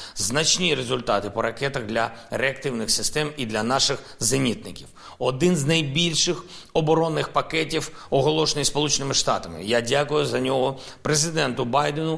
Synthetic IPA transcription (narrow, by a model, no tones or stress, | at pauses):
znɐt͡ʃʲnʲiɾezʊlʲt̪ɑt̪ɪpɔɾɐkɛt̪ɐɣd̪lʲɐɾeɐkt̪ɪwnɪxsɪst̪ɛmid̪lʲɐnɑʃɪx | zɐnʲit̪̚nɪkʲiw | ɔd̪ɪnznɐjbʲilʲʃɪxɔbɔɾɔnːɪxpɐkɛtʲiwɔɦɔlˠɔʃenɪjspɔlˠut͡ʃenɪmɪʃt̪ɑt̪ɐmɪ̰jadʲakʊjʊzɐnʲɔɦɔ | pɾezɪd̪ɛnt̪ʊbɑjd̪enʊ